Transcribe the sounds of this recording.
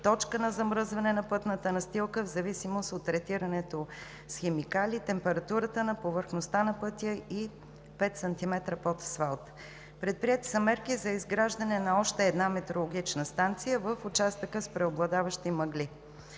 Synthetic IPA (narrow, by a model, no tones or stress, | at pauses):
t̪ɔt͡ʃkənɐzɐmɾɤzvɐnɛnɐpɤt̪nət̪ənɐst̪ilˠkəvzɐvisimost̪ot̪ːɾɛt̪iɾɐnɛt̪o | sxɛmikalʲit̪ɛmpɛɾɐt̪uɾət̪ənɐpovəɾxnost̪anɐpɤt̪ʲjəi | pɛt̪sɐnt̪imɛt̪ɾəpot̪svalˠt̪ | pɾɛt̪̚pɾiɛt̪i̥səmɛɾkizɐizɡɾaʒd̪ənɛnɐɔʃt̪ɛːd̪namɛt̪ɾolˠoɡ̟ʲit͡ʃnəst̪ant̪sijəvəfʊt͡ʃast̪əkəspɾɛoblˠɐd̪avəʃt̪imɐɡli